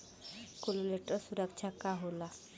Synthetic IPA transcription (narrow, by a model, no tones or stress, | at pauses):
kololeʈːɔsuɾak̚t͡ʃʰakaɦola